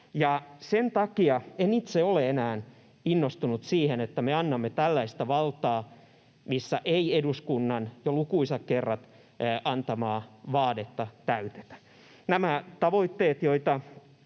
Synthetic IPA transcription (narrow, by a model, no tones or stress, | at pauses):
jɑsent̪ɑkiɑenit̪seoleenæːn | inːost̪unut̪siːhenet̪ːæmeɑnːɑmːet̪ælːæist̪æʋɑlt̪ɑː | misːæʔeieduskunːɑnjolukuisɑkkerːɑt̪ | ʔɑnt̪ɑmɑːʋɑːdet̪ːɑt̪æyt̪e̥t̪æ̥ | næmæt̪ɑʋoit̪ːeːt̪joit̪ɑ